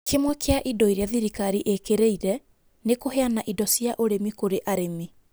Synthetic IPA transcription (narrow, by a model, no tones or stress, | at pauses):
kʰemwɛkʰeaʔidɔiɾeaðiɾikaɾiʔekeɾeiɾɛ | nekoɦeanaʔidɔsiaʔoɾemikoɾeʔaɾemi